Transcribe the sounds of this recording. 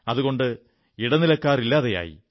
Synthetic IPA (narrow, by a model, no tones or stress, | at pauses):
ɐðuɣo̞ɳɖɨ | iɽɐnilɐkːaːrilːaːðɐja̰ːjḭ